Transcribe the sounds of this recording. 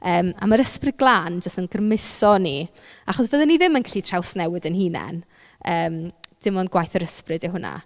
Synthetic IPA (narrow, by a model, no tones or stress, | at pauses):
əːma̰məɾəsprɪdɡlˠaːnd͡ʒəstənɡərmɪsɔni | aχɔsvəðɛniðɪmənkʰɬiːtʰrawsnɛwɪdənhiːnɛ̰n | əːmd̥ɪmɔnɡwajθəɾəsprɨdɪɦʊna̰